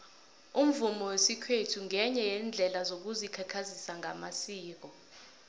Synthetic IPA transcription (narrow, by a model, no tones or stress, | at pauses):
um̩vumɔwesikʰwetʰuŋʱɛɲɛjɛnd͡ɮʱɛlazok̬uzikʰɛkʰazisaŋʱamasiːk̬ɔ